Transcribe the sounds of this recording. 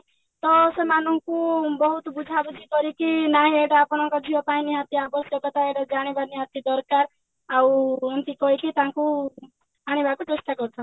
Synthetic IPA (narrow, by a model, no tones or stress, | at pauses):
t̪ɔsemanɔkubɔɦut̪bud͡ʒʱabud͡ʒikɔɾikinaɦĩeʈaːpɽ̃ɔ̃ŋkɔd̪ʱiɔpaĩniɦat̪iabɔsjɔkɔt̪aeʈad͡ʒaɽ̃ebaniɦat̪id̪ɔɾkaɾ | awɔnt̪ikɔɦikit̪ãku | aɽ̃ibakut͡ʃest̪akɔɾt͡ʃʰɔ